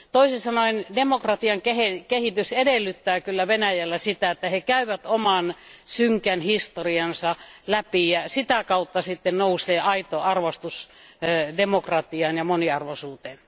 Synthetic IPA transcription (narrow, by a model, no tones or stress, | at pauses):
t̪oisesɑnoindemokrɑt̪iɑŋkehekehit̪ysedelːyt̪ːæːkylːæʋenæjælːæsit̪æet̪ːæhekæyʋæt̪omɑnsyŋkænhist̪oriɑnsɑlæpijæsit̪ækɑut̪ːɑsit̪ːennouseːʔɑit̪oɑrʋost̪us | demokrɑt̪iɑːnjɑmoniɑrʋosuːt̪eːn